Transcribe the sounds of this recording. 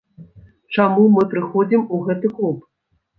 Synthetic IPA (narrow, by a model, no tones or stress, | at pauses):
t͡ʂamumɨpɾɨxɔd͡zʲimuɣɛt̪ɨklˠup